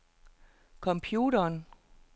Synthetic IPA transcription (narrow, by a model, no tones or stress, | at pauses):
kʰɒ̽mpʰjuːɾɐːn